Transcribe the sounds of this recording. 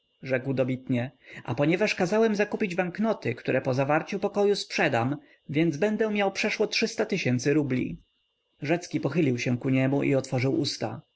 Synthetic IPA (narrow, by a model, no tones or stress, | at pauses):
ʐɛkwd̪ɔbʲit̪ɲɛa̰pɔɲɛvaʂkazawɛmzakupʲid͡ʑbaŋknɔt̪ɘkt̪uɾʔɛpɔzavaɾt͡ɕupɔkɔjuspʂɛd̪am | vʲjɛnd̪zbɛnd̪ɛmʲjawpʂɛʂwɔtʂɘst̪at̪ɘɕɛnt̪sɘɾublʲḭ | ʐɛt̪skʲipɔxɘlʲiwɕɛ̃kuɲɛmuʔḭɔt̪fɔʐɘwʔust̪a̰